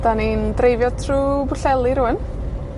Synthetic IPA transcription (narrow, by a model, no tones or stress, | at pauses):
d̥anindrejvjɔdtʰruːbʊɬɛlˠiɾuːən